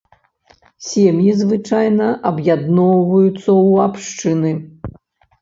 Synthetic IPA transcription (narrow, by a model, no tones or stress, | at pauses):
sʲɛmjizvɨt͡ʂajnɐʔɐbjad̪nɔwvɐjut̪sːɐuapʂt͡ʂɨnɨ